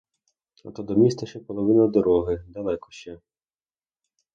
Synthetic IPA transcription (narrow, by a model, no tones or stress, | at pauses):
ɐ̰t̪ɔd̪ɔmʲist̪ɐʃt͡ʃɛpɔlˠɔʋɪnɐd̪ɔɾɔɦɪd̪ɐlˠɛkɔ̥ʃt͡ʃɛ